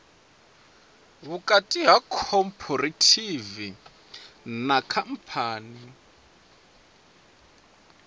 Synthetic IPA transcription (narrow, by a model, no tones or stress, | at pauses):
ɦukʼatʼiɦakʰɔmpʰɔɾatʰivi | nakʰam̩pʰaːni